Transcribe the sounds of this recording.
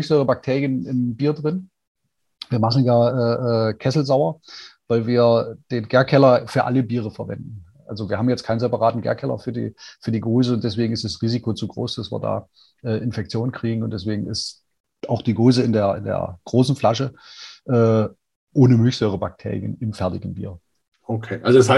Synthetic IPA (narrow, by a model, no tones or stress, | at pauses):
mlçz̥øʏʁəbak̚tʰeːʁjənɪnbiːɐdʁɪn | viːɐmaχn̩jaːʔɛːʔɛːkʰɛsl̩zaʊɐvaɪlviːɐd̥eːnɡeːɐkʰɛlɐfyːɐʔaləbiːʁ̞əfɛɐvɛ̰ndn̩ʔʔa̰lzoviːɐɦaːbmjɛt͡stkʰaɪnzɛpaʁaːtn̩ɡḛɐkʰɛlɐ̰fyːɐdḭːfyːɐdiːɡoːzəʊntd̥ɛs̬v̥eːɡŋ̩ɪstd̥asʁiːzikot͡suɡʁo̰ːsd̥asv̥ḭːɐda̰ː | ʔɛːʔɪnfɛk̚t͡sjoːnən̩kʁ̥iːɡŋ̩ʊntd̥ɛs̬v̥eːɡŋ̩ɪ̰st | ʔaʊxd̥iːɡoːzəɪndeːɐɪndḛːɐɡ̥ʁoːsn̩flaʃəʔɛː | ʔoːnəmʏlçz̥ɔːʁ̞əba̰k̚tʰḛːʁjə̰nɪmfɛɐtɪɡŋ̩bḭːɐ | okʰeːʔalzoshaɪ